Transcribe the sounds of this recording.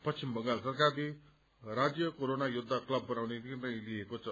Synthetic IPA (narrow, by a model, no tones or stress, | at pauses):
pʌsʰimbʱʌŋɡalsʌrkadi | ɾad͡zjʌkoɾonajud̪ʱːaklʌbːʌnawnetinãĩliekot͡sʰʌ